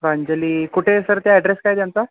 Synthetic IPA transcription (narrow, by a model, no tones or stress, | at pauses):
ɾaɲd͡ʑəliːkuʈʰesəɾt̪jaɛɖɾeskajt̪jant͡sa